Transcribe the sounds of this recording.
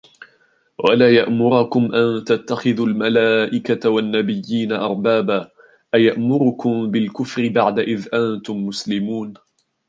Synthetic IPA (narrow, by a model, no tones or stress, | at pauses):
walaːjaʔmʊɾɑkʊmʔant̪at̪ːaxɪðulmalaːʔɪkaawanːabɪjːiːnaʔɑɾˤbaːbaː | ʔajaʔmʊɾʊkʊmbɪlkʊfɾɪbaʕd̪aʔɪðʔant̪ʊmːʊslɪmuːn